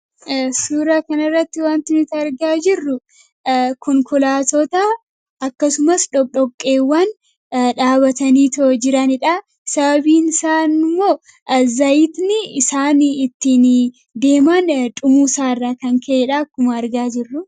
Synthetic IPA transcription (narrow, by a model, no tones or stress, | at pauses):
suːɾakɐnɐrːɐt̪ːɪwaːnt̪ɪnɪt̪ɐɾɡaːd͡ʒɪrːʊ | kɔŋkɔlaːt̪ɔt̪ɐ | ɐkːɐsʊmɐsᶑɔᶑɔkʼːe̞ːwːɐn | ᶑaːβɐt̪ɐniːt̪oːd͡ʒɪɾɐnɪᶑɐ | sɐbɐbiːnsaːnmːoː | zɐjɪt̪nɪsaːnɪt̪ːiːn | d̪e̞ːmant̪ʼʊmuːsaːɪrːaːkɐŋkʰɐɛᶑakːʊmɐːɾɡaːd͡ʒɪrːʊ